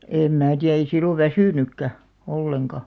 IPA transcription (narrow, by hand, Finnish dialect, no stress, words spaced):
eˑm mæː tiæ ei silːoʋ̆ ʋæsyˑnykːæ olːeŋkɑ